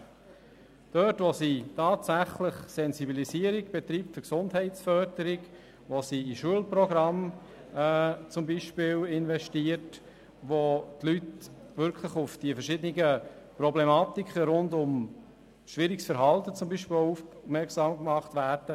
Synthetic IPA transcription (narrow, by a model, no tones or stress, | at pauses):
d̥œtʋositʰɑːtsæχləχsɛnsibilisiəɾiɡb̥ɛt̪ɾiːptfʏɾksʊndhɛɪtsfœɾdəɾɪk | ʋosiiʃuəlprɔɡɾɑmː | t͡sʊmbiʃpɪːlɪnʋɛʃtiəɾt | ʋot̪lyt | ʋʏɾkʰləχʊfd̥iəfəɾʃɪd̪ənɪɡə | prɔblɛmɑːt̪ikχəɾʊndʊm | ʃʋɪɾiksfəɾɦɑltət͡sʊmbiʃpɪufmɛksɑːmkmɑχt̪ʋæːɾd̥ə